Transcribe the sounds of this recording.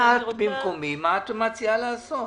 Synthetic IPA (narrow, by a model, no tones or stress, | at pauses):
abimkomimat̪omat͡sialaːso